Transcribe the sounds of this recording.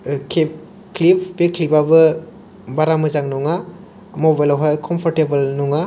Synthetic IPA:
kʰep̚ | klipʰb̥ekʰlibabɯ | baɾamɯzaŋnɔŋa | mobajlawɦajkʰɔmpʰɔɾtebɐlnɔŋa

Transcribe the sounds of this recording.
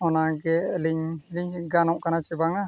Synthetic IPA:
ɔnaɡɛliɲliɲɡanɔʔkanat͡ʃɛbaŋa

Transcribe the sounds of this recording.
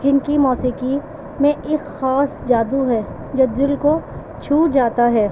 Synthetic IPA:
d͡ʒɪnkimɔːsiki | mẽʔeːkxaːsd͡ʒaːd̪uɦɛː | d͡ʒɐd̪ʊlko | t͡ʃʰuːd͡ʒaːt̪aɦɛː

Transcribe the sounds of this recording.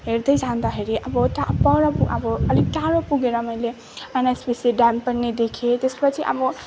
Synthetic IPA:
ɦeɾd̪ʌjd͡zʱãnd̪ʌɦeɾiʔʌbʌt̪apʌɾʌpuʌbʌʌliɡ̚ʈ̪aɾopuɡeɾʌmʌjle | anaspiseɖanpʌnned̪ekʰet̪espʌt͡sʰiʔʌ̰bʌ

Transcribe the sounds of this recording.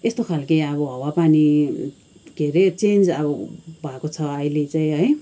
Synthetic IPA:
est̪okʰalkiʌβʌɦʌwapani | ɡʱeɾet͡send͡zʌbʌbʱʌekot͡sʰʌʌjlet͡saĩɦʌj

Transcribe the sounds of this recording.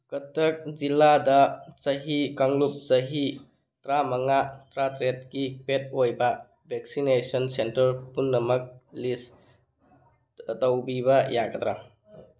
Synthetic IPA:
kɐtɐk̚ziladɐt͡ʃɐɦikaŋlup̚sɐɦi | tɾamɐŋatɾatɾet̚kipet̚ojbɐ | bʱek̚sinesɔnsentɐɾpunːɐmɐk̚lis | tɐwbiβɐjaɡɐt̪ɾa̰

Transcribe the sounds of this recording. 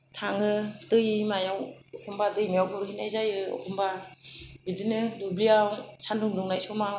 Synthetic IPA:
tʰaŋɯdɯjimajawɔkʰɔmbadɯjmijawkʰɔɾkinajzajɯɔ̰kʰumba | bidɯnɯdubliawsanduŋduŋnajsɔma

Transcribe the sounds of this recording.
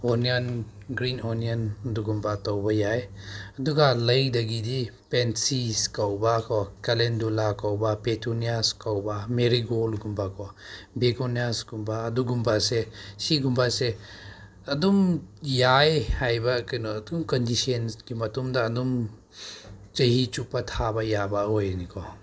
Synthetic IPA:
ɔnianɡɾinɔnianɐduɡumbatawbajajɐduɡaləjdɐɡidipensiskawbakʰɔkalendulakawbapetʰuniaskawbameɾiɡolɡumbakʰɔbekoniasɡumbaːduɡumbasesiɡumbase | ɐdumjajhajbakɐnɔɐdumkɔndisɔnsɡimɐtumdaːdum | t͡ʃɐɦit͡ʃupːatʰabajabaɦojnikʰɔ

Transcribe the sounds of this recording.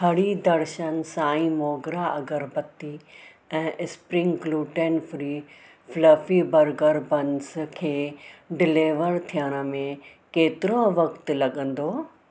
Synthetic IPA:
ɦɐɽid̪ɐɾʃənsaːĩmoːɡɾaɐɡəɾbət̪i | ɛ̃ːʔɪspɾɪ̃ŋɡɡluːʈeːnfɾiː | fləfibɐɾɡəɾbɐnskʰeːɖɪleːʋəɾt̪ʰijəɽ̃ə̆mẽ | keːt̪ɪɾõʋɐkt̪̆lɐɠə̃nd̪oː

